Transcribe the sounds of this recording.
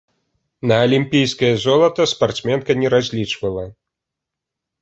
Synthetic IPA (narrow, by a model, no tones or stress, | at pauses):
nɐːlʲimʲpʲijskɐjɐzɔlˠɐt̪ɐspart̪smʲɛnkɐnʲɛɾazʲlʲit͡ʂvɐlˠɐ